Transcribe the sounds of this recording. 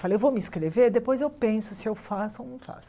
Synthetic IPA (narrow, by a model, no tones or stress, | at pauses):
falewvowmiskɾeveɾd̪epojzewpẽsʊsɪewfasʊonɐ̃w̃fa̰sʊ̥